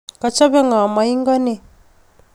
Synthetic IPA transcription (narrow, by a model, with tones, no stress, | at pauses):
ka˨t͡ʃa˦βɛ˦ŋa˨ma˨i˦ŋɡɔ˦ne˦